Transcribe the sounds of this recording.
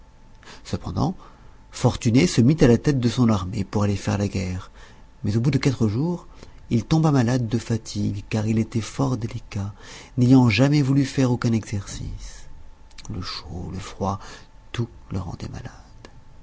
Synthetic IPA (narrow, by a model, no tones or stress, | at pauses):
səpɑ̰̃d̪ɑ̰̃ | fɔʁt̪ynesəmit̪alat̪ɛt̪̚d̪əsɔ̃naʁmepuʁalefɛ̰ʁlaɡɛʁmɛzobud̪əkat̪χəʒuʁ | ilt̪ɔ̃bamalad̪ːəfat̪ʰiɡkaʁilet̪ɛfɔʁd̪elikanejɑ̃ʒamɛvulyfɛʁokɛ̃nɛɡzɛʁsḭs | ləʃoləfχwat̪ulə̰ʁɑ̰̃d̪ɛ̰ma̰lad̪̥